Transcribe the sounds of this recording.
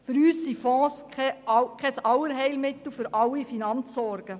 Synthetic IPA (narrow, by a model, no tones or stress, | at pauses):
fʏɾyːsːifɔ̃ːsɛkʰχɛsɑwəɾɦɛɪlmɪt̪l̩fʏɾʔɑwːifinɑnt͡sːɔɾɡ̥ə